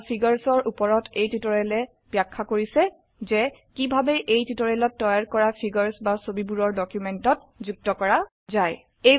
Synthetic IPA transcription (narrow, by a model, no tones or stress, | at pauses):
pʰiɡaɹsɔɹʔupɔɹɔtʰejtitɔɹɛlɛ | b̥jakʰːakoɹisɛ | zɛ | kibʱabɛʔejtitɔɹɛlɔtːɔjaɹkɔɹapʰiɡɔɹsbasobibuɹɔɹdɔkjumɛntɔt̚zuk̚tɔkɔɹa | zaj | e